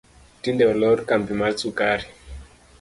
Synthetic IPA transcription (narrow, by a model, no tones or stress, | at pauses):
tindɛlɔɾkambimat͡sukaɾi